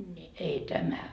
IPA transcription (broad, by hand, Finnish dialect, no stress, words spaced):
nʲi ei tæmæ